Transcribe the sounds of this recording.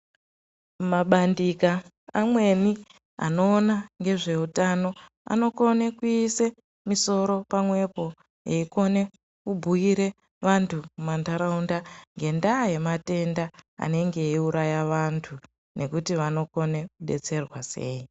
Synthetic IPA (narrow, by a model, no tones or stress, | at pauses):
maɓandikaː | mwe̞ni | a̰no̞ːnaŋɡe̞ʐe̞utano̞ | a̰no̞ko̞nekuise | miso̞ɾo̞pamwe̞po̞ | jeiko̞ne̞ | kubʱuiɾe̞ | ʋantʰumumandaɾaundaŋɡe̞ndaːje̞mate̞ndaa̰ne̞ŋɡe̞iuɾajaʋantʰu | nʔe̞kutiʋano̞ko̞ne̞kuɗe̞̰t͡se̞rwase̞ːi